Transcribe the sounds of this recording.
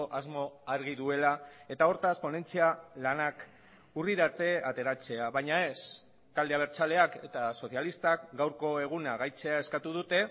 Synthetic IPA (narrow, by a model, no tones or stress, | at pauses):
oʔazmo̞aɾɣiðue̞lae̞t̪ao̞ɾt̪aspo̞ne̞nt͡sialanak | uriɾat̪e̞at̪e̞ɾat͡se̞aβajɲae̞s | t̪ald̪eaβ̞e̞ɾt͡sale̞ake̞t̪aso̞θjalist̪akɡawɾko̞e̞ɣ̞unaɣajt͡se̞ae̞skat̪uð̞ut̪e̞